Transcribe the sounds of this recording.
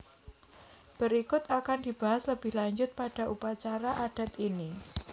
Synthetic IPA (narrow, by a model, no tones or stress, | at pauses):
b̥əɾikʊt̪akand̥ib̥aɦasləbɪhlaɲd͡ʒʊt̪̚paɖ̥a̤ʔupat͡ʃaɾaʔaɖ̥a̤t̪ini